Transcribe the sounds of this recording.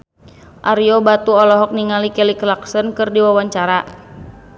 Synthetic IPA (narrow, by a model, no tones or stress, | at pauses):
ʔaɾiɔbat̪uɔlɔɦɔk̚niŋalikɛliklaksənkɨrdiwawaɲt͡ʃaɾa